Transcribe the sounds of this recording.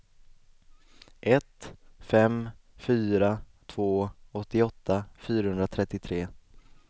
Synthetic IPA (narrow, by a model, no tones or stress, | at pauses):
ʔɛt̪fɛmfyːɾa | t̪ʰv̥oːɔt̪ːɪɔt̪ʰːafyːɾahɵnd̪ɾat̪ʰɾɛt̪ːɪt̪ʰɾeː